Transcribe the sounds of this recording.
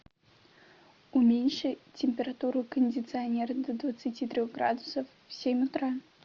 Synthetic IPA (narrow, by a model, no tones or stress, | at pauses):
ʊmʲenʲʂɨtʲɪmʲpʲɪɾɐt̪uɾʊkənʲdʲɪt̪sɨɐnʲerd̪əd̪vət̪sɨtʲit̪ɾʲoɣɡɾa̰d̪ʊsəfːsʲemʲʊt̪ɾa